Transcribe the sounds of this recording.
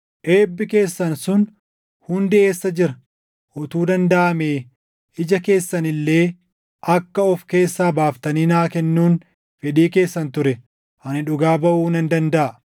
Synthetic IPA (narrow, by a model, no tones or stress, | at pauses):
ʔe̞ːbːɪke̞ːsːɐnsʊn | hʊnd̪ɪe̞ːsːɐd͡ʒɪɾɐ | ʔɔt̪uːd̪ɐnd̪ɐʔɐmeː | ʔɪd͡ʒɐke̞ːsːɐnɪlːeː | ʔɐkːɐɔfke̞ːsːaːbaːft̪ɐniːnaːkɛnːuːn | fɛᶑiːke̞ːsːɐnt̪ʊɾɛ | hɐnɪᶑʊɡaːbɐʔuːnɐnd̪ɐnd̪ɐʔɐ